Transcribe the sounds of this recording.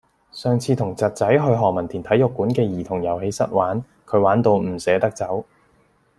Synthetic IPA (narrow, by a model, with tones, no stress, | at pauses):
sœː˨ŋt͡sʰiː˧t̪ʰʊ˨˩ŋt͡sɐ˨t̚t͡sɐ˨˥jɦɵ˧ɥɦɔː˨mɐ˨˩nt̪ʰi˨˩nt̪ʰɐ˨˥jʊ˨kːuː˨˥nkɛː˧jiː˨˩t̪ʰʊ˨˩ŋjɐ˨˩whe˨˧jsɐ˥t̚waː˨˥n | kʰɵ˨˧˥ɥwaː˨˥nt̪o˧wm̩˨˩sɛː˨˥t̪ɐ˥k̚t͡sɐ˨˥w